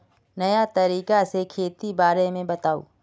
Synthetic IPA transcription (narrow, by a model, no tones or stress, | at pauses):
nɐjat̪ɐɾiːkasekʰeːt̪ibaːɾemẽbɐt̪aːo̰ː